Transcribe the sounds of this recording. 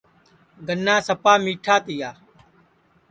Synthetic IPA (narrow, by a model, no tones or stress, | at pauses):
ɡənːaːsəpaːmiːʈʰaːt̪ɪjaː